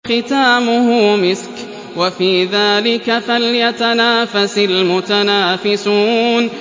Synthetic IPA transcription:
xɪt̪aːmʊhʊmɪsk | wafiːðaːlɪkafaljat̪anaːfasalmʊt̪anaːfɪsuːn

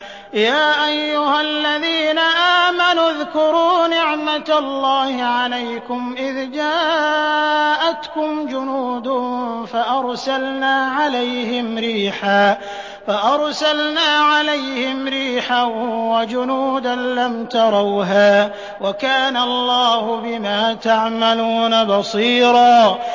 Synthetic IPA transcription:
jaːʔajːʊhalːaðiːnaʔaːmanʊðkʊɾuːnɪʕmalˤːɑːhɪʕalajkʊmʔɪðd͡ʒaː | ʔat̪kʊmd͡ʒʊnuːd̪ʊfaʔɑɾˤsalnaːʕalajhɪmɾiːħaː | faʔɑɾˤsalnaːʕalajhɪmɾiːħawad͡ʒʊnuːd̪anlamt̪ɑɾˤɑwɦaː | wakaːnalˤːɑːhʊbɪmaːt̪aʕmaluːnabɑsˤiːɾɑː

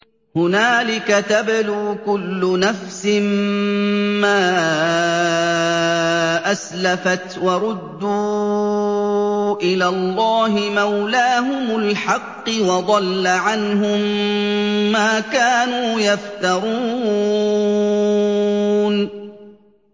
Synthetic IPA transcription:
hʊnaːlɪkat̪abɪluːkʊlːʊnafsɪm | maː | ʔaslafat̪wɑɾˤʊd̪ːuː | ʔɪlaːlˤːɑːɦɪmawlaːɦʊmʊlħɑqːɨwɑd̪ˤɑlːaʕanɦʊmː | aːkaːnuːjaft̪ɑɾˤuː | n

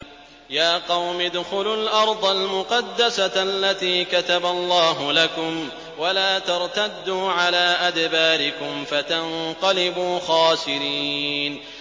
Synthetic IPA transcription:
jaːqɑwmɪd̪xʊlʊlʔɑɾˤd̪ˤalmʊqɑd̪ːasaalːat̪iːkat̪abalˤːɑːɦʊlakʊm | walaːt̪ɑɾˤt̪ad̪ːuːʕalaːʔad̪baːɾɪkʊmfat̪anqɑlɪbuːxɑːsɪɾiːn

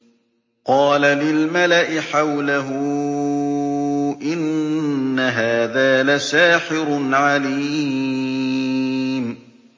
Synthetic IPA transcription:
qɑːlalɪlmalaʔɪħawlaɦʊ | ʔɪnː | aɦaːðaːlasaːħɪɾʊnʕaliː | m

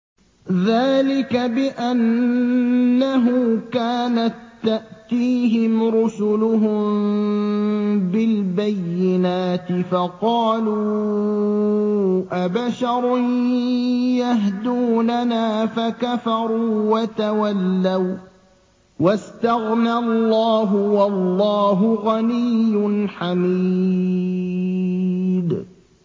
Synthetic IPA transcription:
ðaːlɪkabɪʔanː | aɦʊkaːnat̪ːaʔt̪iːɦɪmɾʊsʊlʊɦʊm | bɪlbajːɪnaːt̪ɪfɑqɑːluː | ʔabaʃɑɾˤʊ | jaɦd̪uːnanaːfakafɑɾˤuːwat̪awalːaw | wast̪aɣnalːɑːɦʊwɑlːɑːɦʊɣanɪjːʊnħamiː | d̪

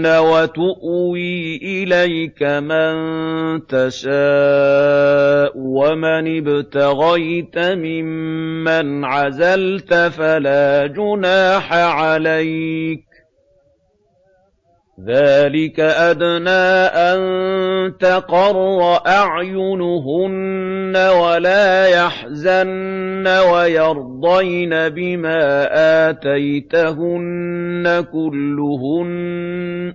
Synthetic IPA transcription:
nawat̪ʊʔwiːʔɪlajkamant̪aʃaː | ʔwamanɪbt̪aɣajt̪amɪmːanʕazalt̪afalaːd͡ʒʊnaːħaʕalajk̚ | ðaːlɪkaʔad̪naːʔant̪ɑqɑɾˤːɑʔaʕjʊnʊɦʊnːawalaːjaħ | zanːawajɑɾˤd̪ˤɑjnabɪmaːʔaːt̪ajt̪aɦʊnːakʊlːʊɦʊn

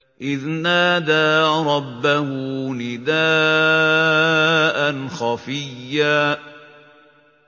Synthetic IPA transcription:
ʔɪðnaːd̪aːɾˤɑbːahʊnɪd̪aː | ʔanxɑfɪjːaː

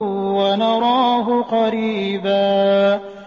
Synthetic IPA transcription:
wanɑɾˤɑːɦʊqɑɾiːbaː

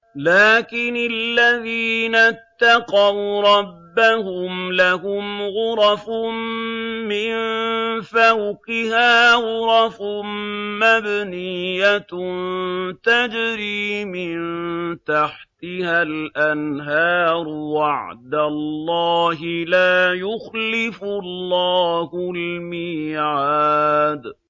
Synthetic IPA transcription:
laːkɪnɪlːaðiːnat̪ːɑqɑwɾˤɑbːahʊmlaɦʊmɣʊɾˤɑfʊ | mɪnfawqɪhaːɣʊɾˤɑf | mabnɪjːant̪ad͡ʒɾiːmɪnt̪aħt̪ɪhalʔanɦɑːɾˤwaʕd̪alːɑːɦɪlaːjʊxlɪfʊlːɑːhʊlmiːʕaːd̪

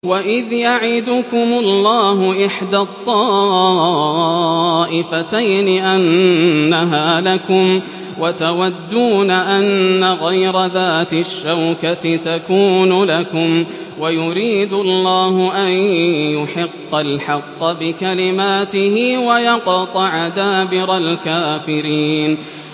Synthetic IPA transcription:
waʔɪðjaʕɪd̪ʊkʊmʊlːɑːɦʊʔɪħd̪at̪ˤːɑː | ʔɪfat̪ajnɪʔanːaɦaːlakʊm | wat̪awad̪ːuːnaʔanːaɣajɾaðaːt̪ɪʃːawkat̪ɪt̪akuːnʊlakʊm | wajʊɾiːd̪ʊlːɑːhʊʔanjʊħɪqːalħɑqːbɪkalɪmaːt̪ɪhɪwajɑqɑt̪ˤɑʕad̪aːbɪɾalkaːfɪɾiːn

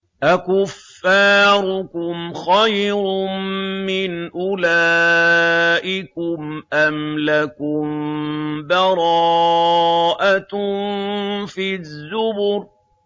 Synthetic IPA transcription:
ʔakʊfːaːɾʊkʊmxajɾʊː | ɪnʔʊlaː | ʔɪkʊmʔamlakʊm | bɑɾˤɑː | ʔat̪ | fizːʊbʊɾ

